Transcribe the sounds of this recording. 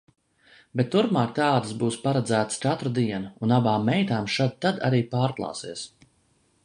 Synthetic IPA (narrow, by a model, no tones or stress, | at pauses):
bet̪ːuɾpmaːk̚t̪aːd̪ɨsbuːspaɾad̪zæːt̪st͡ʃat̪ɾud̪iɛnuunabaːmːɛjt̪aːmʃad̪̚t̪ːad̪aɾiːpaːɾklˠɑ̰ːsiɛs